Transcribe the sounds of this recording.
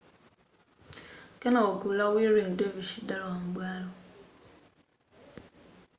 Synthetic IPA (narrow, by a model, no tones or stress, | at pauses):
kenaokulawiɾin̩dobiʃidaɾɔŋ͡m̩ɡ͡balʊ